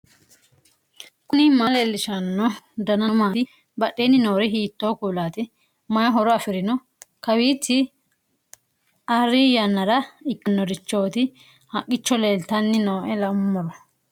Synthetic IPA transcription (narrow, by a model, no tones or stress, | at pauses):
kʊnɪmaleːlːɪʃɐnːɔd̪ɐnɐmaːɪ | bɐɗːeːnːɪnoːɾɛɦiːt̪ːo̞ːkuːlaːt̪ɪ | mɐjɐɦɔɾɔɐfɪɾɪnɔ | kɐwiːtːɪ | ʔɐrːɪjɐnːɐɾɐɪkʼːɪnːɔɾɪt͡ʃːo̞ːt̪ɪ | hɐkʼːɪt͡ʃːɔleːlt̪ɐnːɪnoːʔɛlɐmːɔɾɔ